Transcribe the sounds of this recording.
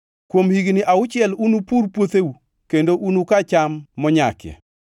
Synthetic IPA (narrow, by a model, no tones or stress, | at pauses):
kwomhiɡnɪʔaʊt͡ʃɪjɛlunupurpwot̪eu | kendoʔunukat͡ʃamːɔɲa̰kjɛ̰